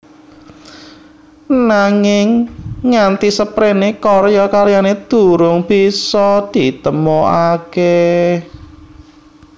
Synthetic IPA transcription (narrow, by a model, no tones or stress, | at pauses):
naŋɪŋːant̪isəpɾenekɔrjɔkaɾjaned̪̥uɾʊŋb̥isɔd̪̥it̪əmoʔake